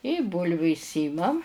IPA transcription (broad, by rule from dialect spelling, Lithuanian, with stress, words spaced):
ɪ ˈbuːlʲʋʲʊ ɪʃʲˈsʲiːmɐm